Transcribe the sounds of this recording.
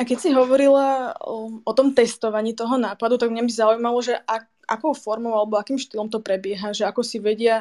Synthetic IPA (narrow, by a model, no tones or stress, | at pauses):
akɛcsiɦɔʋɔɾila | ʔɔt̪ɔmt̪ɛst̪ɔʋaɲiːt̪ɔɦɔnaːpad̪ut̪aɡmɲabizaujmalɔʒɛʔa | ʔa̰kɔʊfɔɾmɔʊalɛbɔakiːmʃt̪ilɔmt̪ɔpɾɛbɪɛɦaʒɛakɔsiʋɛɟɪa